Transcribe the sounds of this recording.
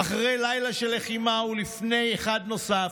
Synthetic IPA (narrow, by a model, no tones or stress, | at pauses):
aχʁe̞jlajlaʃeleχimaulifne̞jeχad̪no̞sa